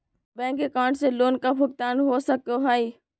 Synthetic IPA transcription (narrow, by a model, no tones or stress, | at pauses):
bɛ̃ːŋkekãːʈseloːnkapʰʊk̚t̪aːnɦosək̚t̪oɦaːi